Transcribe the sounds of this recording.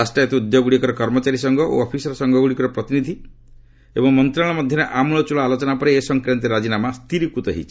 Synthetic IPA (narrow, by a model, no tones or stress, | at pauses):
asʈijet̪iud̪joɡuɽikɔɾɔkɔɾmɔt͡ʃaɾisɔŋɡɔʔo̰ɔpʰisɔɾɔsɔŋɡɔɡuɽikɔɾɔpɾɔt̪inid̪ʱi | ebɔŋmɔnt̪ɾaɭ̃ɔmɔd̪ʱjɔɾeʔamuɭ̃ɔt͡ʃuɭɔalot͡ʃɔnapɔɾeːsɔŋkɾant̪iɾad͡ʒinamast̪ʰiɾikut̪ɔɦḭt͡ʃʰi